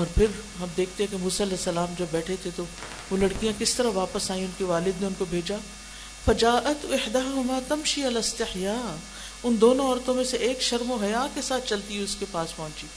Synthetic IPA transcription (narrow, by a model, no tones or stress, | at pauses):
ɔːɾpʰɪɾɦɐmd̪eːk̚ʰt̪ẽɦɛ̃kemuːsaːɐlɛːsːɐlaːmd͡ʒɐbːɛːʈʰet̪ʰet̪o | ʋolɐɽkijãkɪst̪ɐɾaʋaːpəsaːĩʊnkiʋaːlɪd̪neʊnkobʱeːd͡ʒaː | fɐd͡ʒaːʔɐt̪ɪħd̪aːɦʊmaːt̪ɐmʃiɐlɐst̪ɪħjaː | ʊnd̪oːnõɔːɾt̪õmẽseʔeːkʃɐɾmoɦɐjaːkesaːt̪̚ʰt͡ʃɐlt̪iɦɛʊskepaːspɔ̃ɦʊ̃ɲt͡ʃiː